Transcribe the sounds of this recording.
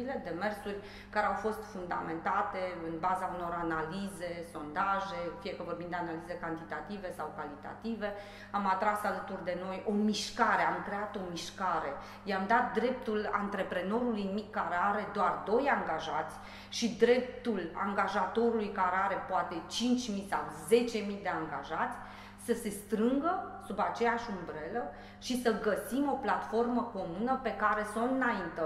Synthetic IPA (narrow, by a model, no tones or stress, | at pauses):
ile̞d̪e̞me̞rsurʲ | kaɾe̞awfo̞st̪fund̪a̰me̞nt̪at̪e̞ɨnbazauno̞ranalize̞so̞nd̪aʒe̞fie̞kəvo̞rbind̪eanalize̞kant̪it̪at̪ive̞sawkalit̪a̰t̪ive̞ | amat̪ɾasalət̪urd̪e̞no̞jo̞miʃkaɾe̞amkɾe̞at̪o̞miʃkaɾe̞ | jamd̪at̪̚d̪ɾe̞p̚t̪ula̰nt̪ɾe̞pɾe̞no̞ɾulujinimikːaɾeaɾe̞d̪oard̪o̞jaŋɡaʒat̪sʲ | ʃid̪ɾe̞p̚t̪ula̰ŋɡaʒat̪o̞ɾulujkaɾeaɾe̞poat̪e̞t͡ʃint͡ʃʲmisawze̞t͡ʃe̞mid̪e̞aŋɡaʒat̪sʲ | səse̞st̪ɾɨŋɡəsubat͡ʃe̞jaʃʲumbɾe̞lə | ʃisəɡəsimo̞plat̪fo̞rməko̞munəpe̞kaɾe̞sunt̪ɨnaint̪e